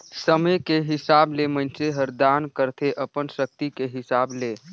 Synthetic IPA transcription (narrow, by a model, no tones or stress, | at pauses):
səməkeɦɪsablemənt͡ʃeɦəɾd̪ankəɾt̪ʰeʔəpənsək̚t̪ikeɦɪsaːble